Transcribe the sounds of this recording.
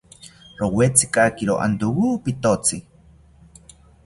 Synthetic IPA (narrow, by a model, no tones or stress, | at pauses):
rowet͡sikakiɾoʔa̰nd̪uwupit̪ot͡si